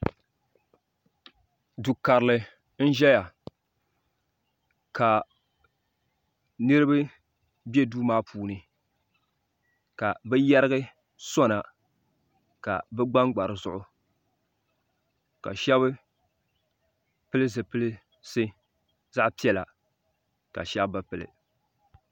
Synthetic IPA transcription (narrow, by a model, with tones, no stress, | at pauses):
du˨ka˨ɾɨ˨lɨ˨ | n̩˦ʒɛ˦ja˨ | ka˨ | nɨ˦ɾɨ˦bɨ˦ | bjɛ˦duː˦maː˦pʰuː˨nɨ˨ | ka˨bɛ˦jɛ˦ɾɨ˦ɣɨ˦ | sɔ˦na˨ | ka̰˨bɛ˦ɡ͡ba˦ŋɡ͡ba˨ɾɨ˨zʊ˦˨ʔʊ˦ | ka̰˨ʃɛ˦βɨ˦ | pɨ˦lɨ˦zɨ˨pɨ˦lɨ˦ | sɨ˦ | za˦ʔpi˦ɛ˨la̰˨ | ka̰˨ʃɛ˦bba˨pɨ˨lɨ̰˨